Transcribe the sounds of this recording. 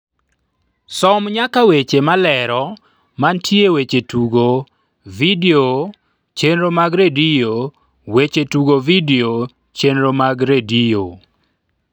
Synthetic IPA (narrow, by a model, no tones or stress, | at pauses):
sɔmɲakawet͡ʃemalɛɾɔ | mantʰjewet͡ʃetuɡo | video | t͡ʃenɾomaɡɾedijo | wet͡ʃetuɡovideo | t͡ʃenɾomaɡɾedio